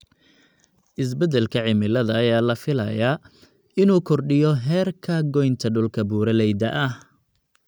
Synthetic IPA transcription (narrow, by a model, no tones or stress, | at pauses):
ʔɪs̬bɛd̪ɛlkʰɐʕɪmɪlɐðɐːjaːlɐfɪlɐ̰jaː | ɪnuːkʰɔrɖɪjɔɦɛːrkʰɐɡɔjnt̪ʰɐɖʊlkʰɐbuːɾɐlɛjd̪ɐ̰ʔɐh